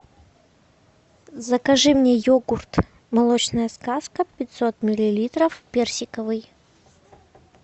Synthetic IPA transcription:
zɐkɐʐɨmnʲejoɡʊrt̪ | mɐlˠot͡ɕnəjəskaskəpʲɪt̪ʲsot̪mʲɪlʲɪlʲit̪ɾəfpʲersʲɪkəvɨj

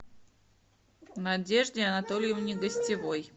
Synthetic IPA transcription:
nɐdʲe̞ʐdʲɪɐnɐt̪o̞lʲjəvnʲɪɡəsʲtʲɪvo̞j

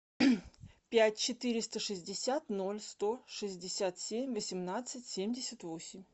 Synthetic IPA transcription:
pʲætʲt͡ɕɪt̪ɨɾʲɪst̪əʂɨzʲdʲɪsʲat̪no̞lʲst̪o̞ʂɨzʲdʲɪsʲat̪sʲemʲvəsʲɪmnat̪sɨtʲsʲemʲdʲɪsʲət̪vo̞sʲɪmʲ

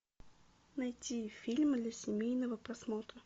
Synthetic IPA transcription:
nɐjtʲifʲilʲmd̪lʲɐsʲɪmʲejnəvəpɾɐsmot̪ɾə

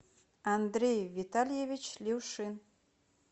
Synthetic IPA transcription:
and̪ɾʲejvit̪alʲjevʲit͡ɕlʲiwʃɨn

